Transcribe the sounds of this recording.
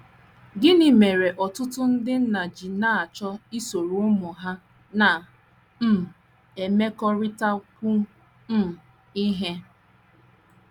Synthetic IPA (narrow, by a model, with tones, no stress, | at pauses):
ɡɪ˦ni˨me˨ɾe˨ʔɔ˨tʊ˦tʊ˦n̩˦dɪ˦n̩˦na˨d͡ʒi˨na˦˨a˨t͡ʃɔ˦i˦so˨ɾʊ˨˦mʊ˨ɦa˦ | na˨ | m̩˦˨ | e˨me˦kɔ˦ɾɪ˦ta˦kʷu˦ | m̩˦˨ | i˦ɦe˦